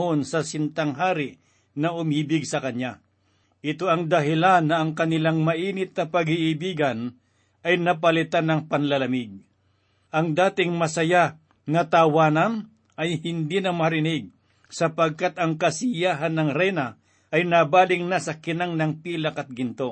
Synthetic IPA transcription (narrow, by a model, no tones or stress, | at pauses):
onsɐsɪnt̪aŋɦaːɾɪ | nɐʔʊmiːbɪɡsɐkɐɲɲa | ʔɪt̪oɐŋd̪ɐɦɪlanːɐːŋkɐnɪlaŋmɐʔiːnɪt̪̚nɐpɐɡiʔɪbiːɡɐn | ʔɐjnɐp̬ɐlɪt̪anɐŋpɐnlɐlɐmɪɡ̚ | ʔɐŋd̪aːt̪ɪŋmɐsɐja | nɐt̪awaːnɐn | ʔɐjhɪnd̪inɐmɐɾɪnɪɡ̚ | sɐpɐɡ̚kat̪ɐŋkɐsɪjaːɦɐnːɐŋɾɛjnɐ | ʔɐjnabaːlɪŋnasɐkɪnaŋnɐŋpiːlɐkɐt̪̚ɡɪnt̪o